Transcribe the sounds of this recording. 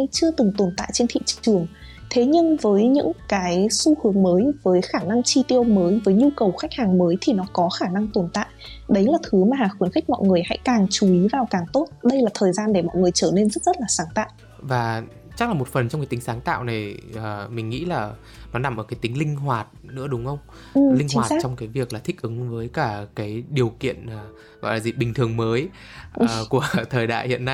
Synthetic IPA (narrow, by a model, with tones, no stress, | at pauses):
jt͡ɕɨ˧ət̪ɨ˨˩ŋt̪o˨˩nt̪a̰ː˧˨jt͡ɕe˧nt̪ʰḭ˧˨t͡ɕt͡ɕɨ˨˩əŋ | t̪ʰe˨˦ɲɨ˧ŋvəː˨˦jɲɨ̰˧˥ŋkaː˨˦jsu˧hɨ˨˦əŋməː˨˦jvəː˨˦jxaː˧˩na˧ŋt͡ɕi˧t̪i˧ə˧wməː˨˦jvəː˨˦jɲu˧kə˨˩wxa˦˥jk̚haː˨˩ŋməː˨˦jt̪ʰi˨˩nɔ˨˦kɔ˨˦xaː˧˩na˧ŋt̪o˨˩nt̪a̰ː˧˨jʔɗə˨˦jlaː˨˩t̪ʰɨ˨˦maː˨˩haː˨˩xwi˨˦ənxä˦˥k̚mɔ̰˧˨jŋɨ˨˩əjha̰˧˥jkaː˨˩ŋt͡ɕu˨˦ʔi˨˦vaː˨˩wkaː˨˩ŋt̪o˦˥t̚ɗə˧jlaː˨˩t̪ʰəː˨˩jzaː˧nɗe˧˩mɔ̰˧˨jŋɨ˨˩əjt͡ɕəː˧˩ne˧nzə˦˥t̚zə˦˥t̚laː˨˩saː˨˦ŋt̪a̰ː˧˨ʔ | vaː˨˩ | t͡ɕa˦˥k̚laː˨˩mo˨˩t̚fə˨˩nt͡ɕɔ˧wŋ͡mkaː˨˦jt̪i˨˦ŋsaː˨˦ŋt̪a̰ː˧˨wna˨˩jʔəː˨˩mï̟˨˩ŋḭ˧˥laː˨˩ | nɔ˨˦na˨˧˩mʔəː˧˩kːjt̪ï˨˦ŋ̟lï˧ŋ̟ɦwaː˨˩t̚nɨ̰˧˥əɗʊ˨˦ŋ͡mxə˧wŋ͡m | ɨ˨˩lï˧ŋt͡ɕhww̚ːt͡ɕɔ˧wŋ͡mkaː˨˦jvi˨˩əklaː˨˩t̪ʰï˦˥k̚ʔɨ˨˦ŋvəː˨˦jkaː˧˩kaː˨˦jɗi˨˩əwkḭ˧˨ənː˨˩ | vɔ̰˧˨laː˨˩zi˨˩ɓï˨˩ŋt̪ʰɨ˨˩əŋməː˨˦j | ʔku˧˩ət̪ʰəː˨˩jɗa̰ː˧˨jhḭ˧˨ənːa˧jj